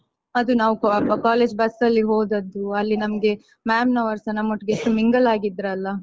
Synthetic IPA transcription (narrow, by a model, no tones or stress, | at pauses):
ɐd̪unaːʋukaːle̞ːd͡ʒbɐsɐlːiɦoːd̪ɐd̪ːuɐlːinɐmɐɡe̞ | maːmnɐʋɐɾsɐnɐmːoʈːɡeʂʈumiŋɡɐlaːɡid̪ɾɐlːɐ